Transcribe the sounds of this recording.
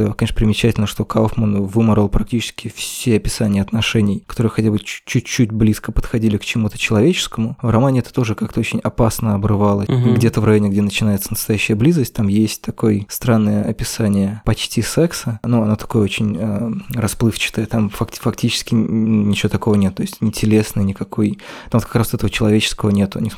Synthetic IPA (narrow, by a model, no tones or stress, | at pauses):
kɐnʲeʂəpɾʲɪmʲɪt͡ɕætʲɪlʲnəʂt̪okalfmənvɨməɾəlˠpɾɐk̚tʲit͡ɕɪ̥skʲɪfsʲeɐpʲɪ̥sanʲɪjəɐt̪nɐʂɛnʲɪjkɐt̪oɾɨjəxɐtʲabɨ̥t͡ɕːʉt͡ɕːut̚ʲblʲiskəpət̪xɐdʲilʲɪkt͡ɕɪmut̪ə̥t͡ɕɪlˠɐvʲet͡ɕɪ̥skəmʊvrɐmanʲɪɛt̪ə̥t̪o̞ʐɨkak̚t̪əot͡ɕɪnʲɐpasnəɐbrɨvalˠəɡdʲet̪əvrɐjonʲɪɡdʲenət͡ɕɪnajɪt̪sənəst̪ɐjæɕːɪjəblʲizəsʲt̚ʲt̪amjesʲtʲt̪ɐko̞jst̪ɾanːəjəɐpʲɪsanʲɪjəpɐt͡ɕtʲisɛksənuɐno̞t̪ɐ̥ko̞jəo̞t͡ɕɪnʲərɐsplˠɨft͡ɕɪ̥t̪əjət̪amfɐkʲfɐktʲit͡ɕɪ̥skʲɪnunʲɪt͡ɕɪvo̞t̪ɐko̞vənʲet̪ːoɪsʲtʲnʲɪtʲɪlʲe̞snɨjnʲɪkɐkʰo̞jt̪amot̪kɐ̥kɾast̪ɛt̪əvət͡ɕɪlˠɐvʲet͡ɕɪ̥skəvənʲe̞t̪ʊnʲɪ